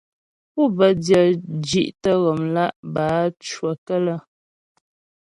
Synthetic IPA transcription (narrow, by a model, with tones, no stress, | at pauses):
pu˦˨bə˨djə˨d͡ʒi˦˨ʔtə˦ɣɔ˨mla˦ʔbaː˨˦t͡ʃwə˨kə˦lə˦